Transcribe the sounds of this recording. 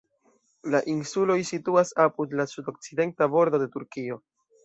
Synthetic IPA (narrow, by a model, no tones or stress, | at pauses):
laʔinsulo̞jsituasapudlasudo̞k̚t͡side̞ntabo̞ɾdo̞de̞tuɾkio̞